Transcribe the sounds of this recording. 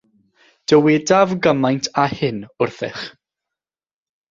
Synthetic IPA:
d̥əwɛdavɡəmajntʰahɪnʊrθɪ̰χ

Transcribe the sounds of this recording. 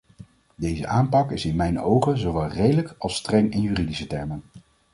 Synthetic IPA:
dejzə̰ʔaːmpɑkɪsɪnmɛjnowχənzowʋɛlˠrejdələkɑlˠstrɛŋɪnjyːridisətɛɹmən

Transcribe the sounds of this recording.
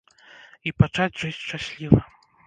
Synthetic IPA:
ipat͡ʂad͡zʲʐɨsʲʂt͡ʂasʲlʲivɐ

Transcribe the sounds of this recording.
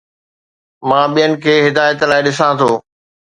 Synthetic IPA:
mãːɓijənɪ̆kʰeːɦɪd̪aːjət̪laːɪɗɪsãt̪ʰoː

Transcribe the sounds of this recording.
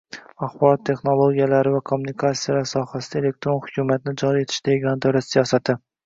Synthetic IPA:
aχbɒlˠɒt̪ʰːe̞χno̞lˠoɡʲijalaɾɪvakʰomːunikʰat̪sijalaɾsɒhasɪd̪ae̞le̞k̚t̪ɾonhʊ̥kʲʰumat̪ɪnɪd͡ʒɒɾie̞t̪ʰɪ̥ʃt̪ʰaɡʲanɪd̪ɒɾat̪sijɒsat̪ʰɪ

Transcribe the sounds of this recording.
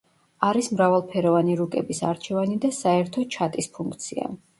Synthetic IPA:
aɾismɾavalˠpʰɛɾɔvaniɾukʼɛbisa̰ɾt͡ʃʰɛvanid̪asaɛɾt̪ʰɔt͡ʃʰat̪ʼispʰuŋkʰt̪sʰia̰

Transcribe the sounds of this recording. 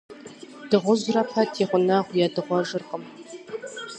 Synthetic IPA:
d̥ɨʁʷʊzrɐpʰɐtʰiːʁʷʊnaʁʷjadɨʁʷɔʒɨrχəm

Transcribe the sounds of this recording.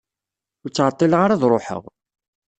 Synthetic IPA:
ʊɾt͡sːʕət̪ˤːilʁaɾaðɾˤoħə̰ʁ

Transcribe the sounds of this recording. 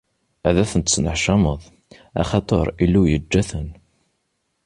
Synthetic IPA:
æðæθənt̪snəħʃɑməðˤ | ɑ̰χɑt̪ˤəɾˤilːujəd͡ʒːæθən

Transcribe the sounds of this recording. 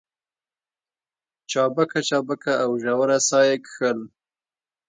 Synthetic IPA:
t͡ʃɑbakat͡ʃɑbakʰaːwʒawaɾasɑjekxəl

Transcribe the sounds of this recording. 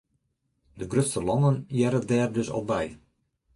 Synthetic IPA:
dəɡrøstəlɔnənjɛɾədɛːrdøsɔ̰lˠbɛj

